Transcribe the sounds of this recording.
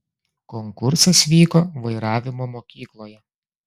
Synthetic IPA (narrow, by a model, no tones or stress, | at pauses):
kɔŋkʊɾsɐsʋʲiːkoːʋɐɪɾɑːʋʲɪmoːmoːkʲiːklˠoːjɛ